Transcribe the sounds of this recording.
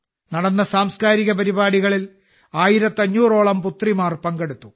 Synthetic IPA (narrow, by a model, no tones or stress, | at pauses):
nɐɽɐnːɐsaːmskaːɾiɣɐpɐɾibaːɽiɣɐɭil | aːjiɾɐt̪ːɐɲːuːro̞ːɭɐmput̪rimaːrpɐŋɡeɽut̪ːu